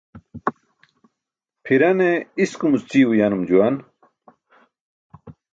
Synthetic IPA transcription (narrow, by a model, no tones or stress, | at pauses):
pʰiɾɐneiskumust͡siːwujaːnumd͡ʑuwan